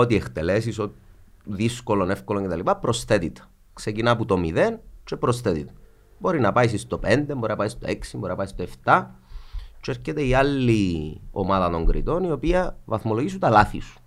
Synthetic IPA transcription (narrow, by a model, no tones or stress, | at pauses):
ot̪iext̪e̞lesiso | ðisko̞lonefkoloɲcet̪ɐlipɐpɾo̞sθe̞t̪it̪ | ksecinɐput̪omiðent͡ʃepɾosθet̪it̪ | bo̞ɾinɐpɐis̬ist̪o̞pe̞nd̪embo̞ɾinɐpɐist̪o̞eksimboɾinɐpɐist̪oe̞ft̪ɐ | t͡ʃeɾcet̪eialːio̞̰maðɐt̪o̞ŋɡɾʔḭt̪o̞nio̞piɐvɐθmoloʝisut̪ɐlaθḭsu̥